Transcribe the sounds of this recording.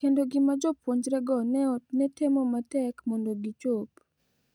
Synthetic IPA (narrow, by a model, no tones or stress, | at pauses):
kendoɡɪmad͡ʒɔpwoɲd͡ʒɾɛɡɔnnɛtemɔmatɛkmɔndoɡit͡ʃop